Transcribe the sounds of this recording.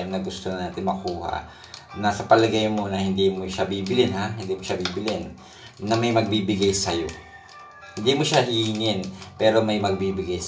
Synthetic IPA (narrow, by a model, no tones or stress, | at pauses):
ɐŋnɐɡʊst̪onɐnaːt̪ɪnmɐkuːha̰ʔ | nɐsɐpɐlɐɡajmo̞nɐhɪnd̪imoʃabiːbɪlɪnhaɦɪnd̪imoʃabiːbɪlɪnː | ɐmɐjmɐɡ̚biːbɪɡajsɐjo̞ | hɪnd̪imoʃaɦiŋɪnpɛːɾo̞mɐjmɐɡ̚biːbɪɡaj